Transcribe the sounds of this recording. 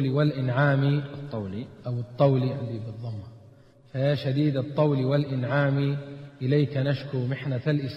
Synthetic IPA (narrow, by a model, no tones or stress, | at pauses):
liwalʔɪnʕaːmiˤ | ʔawɨt̪ˤːɑwliʕɪnd̪ibɨd̪ˤːɑmːɑ | faaʃad̪iːd̪ɑt̪ˤːɑwliwalʔɪnʕaːmiʔɪlajkanaʃkʊmɪħnaalʔɪs